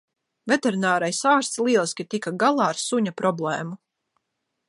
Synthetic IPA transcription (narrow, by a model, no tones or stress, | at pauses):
vʲɛt̪eɾinaːɾajsaːɾst̪slˠiɛlˠsʲkʲit̪ikaɡalˠɑːɾsuɲapɾɔblˠɛːmu